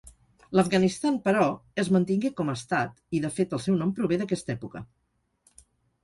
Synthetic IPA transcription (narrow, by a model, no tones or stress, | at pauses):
ləfɡənist̪ampəɾɔəzmənt̪iŋɡekɔməːst̪at̪iðəfet̪əlˠsɛwnɔmpɾuβeðəkɛst̪ɛpukə